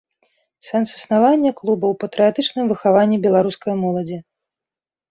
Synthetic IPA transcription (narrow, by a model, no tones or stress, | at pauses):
sɛnsɨ̥snavanʲːɐklˠubɐwpɐt̪ɾɨjat̪ɨt͡ʂnɨmvɨxavanʲːibʲɛlˠaɾuskɐjɐmɔlˠɐd͡zʲi